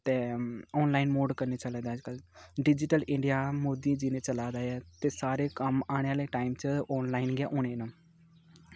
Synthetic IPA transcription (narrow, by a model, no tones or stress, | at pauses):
t̪eːɔːnlaːinmoːɖkəɾneːt͡ʃəleːd̪aːd͡ʒkəlɖɪd͡ʒɪʈəlʔɪ̃ɳɖijaːmoːd̪ĩːd͡ʒɪnẽːt͡ʃəlaːd̪aːɛːt̪eːsaːɾeːkəmaːɽ̃eːaːleːʈaːimt͡ʃəɔːnlaːinɡɪjaːʔoːñeːnə